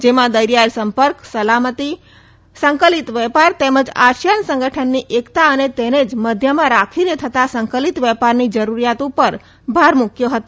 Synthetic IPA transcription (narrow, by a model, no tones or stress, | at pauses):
d͡ʒemad̪əjɾijaɾsəmpəɾksəlamət̪i | səŋkəlit̪ʋɛpaɾt̪eməd͡ʒa̰ʃjənsə̃ŋɡəʈʰənːiʔekt̪aənet̪ened͡ʒməd̪ʱjəmãɾakʰiɾet̪ʰət̪asəŋkəlit̪ʋjəpaɾnid͡ʒəɾuɾijat̪upəɾ | bʱaɾmukʰjoɦət̪